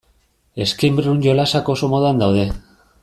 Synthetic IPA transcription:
e̞skejmbɾunɟolasakosomoðand̪awðe̞

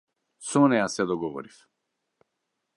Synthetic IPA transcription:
sɔnɛjasɛd̪ɔɡɔvɔ̰ɾif

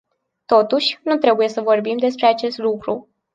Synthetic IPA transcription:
t̪o̞t̪uʃʲnut̪ɾe̞buje̞səvo̞rbimd̪e̞spɾe̞at͡ʃe̞st̪lukɾu

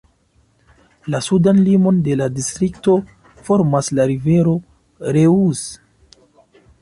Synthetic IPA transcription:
lasudanlimo̞nde̞ladistɾikto̞ | fo̞ɾmaslaɾive̞ɾo̞ | ɾe̞us

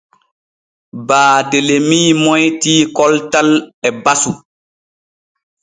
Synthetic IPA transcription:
baːdelemiːmɔjtiːkɔltalɛbasu

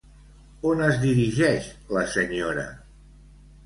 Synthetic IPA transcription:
onəzðiɾiʒɛʃləsəɲoɾə̰

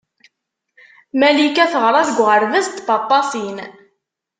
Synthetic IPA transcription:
mælikæθəʁɾˤɑðɡʷʁəɾðəst̪bɑt̪ˤːɑsin

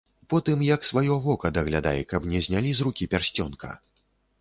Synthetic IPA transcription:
pɔt̪ɨmjɐksvajɔvɔkɐd̪ɐɣlʲad̪a̰jɛkɐpnʲɛzʲnʲalʲizrukʲipʲarsʲt͡sʲɔnkʰɐ̰

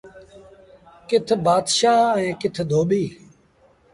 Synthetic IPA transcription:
kɪt̪ʰbaːd̪ʃaːẽːkɪt̪ʰd̪ʱoːɓiː

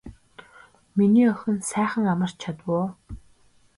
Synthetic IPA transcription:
miniːœxʲɵ̆nsæːχə̆ŋamə̆r̥t͡ɕʰat̪wʊː

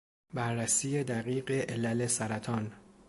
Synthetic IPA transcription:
bæɾːæsiːje̞d̪æɣiːɢe̞ʔelælesæɾæt̪ʰɒːn

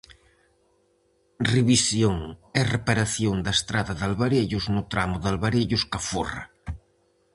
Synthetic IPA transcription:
riβisjoŋɛrepaɾaθjoŋd̪ɐest̪ɾaðaðalβaɾeʎʊznʊt̪ɾamʊðalβaɾeʎʊskafora̰

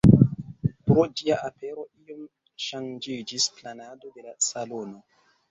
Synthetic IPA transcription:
pɾod͡ʒiaʔape̞ɾo̞iom | ʃand͡ʒid͡ʒisplanado̞de̞lasalo̞no̞

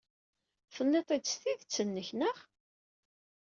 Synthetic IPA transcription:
θənːet̪ˤit͡sːθiðt͡sːənːəçnəʁ

